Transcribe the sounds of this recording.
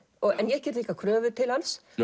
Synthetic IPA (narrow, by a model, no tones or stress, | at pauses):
ɔɣɛnjɛɛhcːɛɾt̪iːkakʰɾœːvʏt̪ʰɪlhans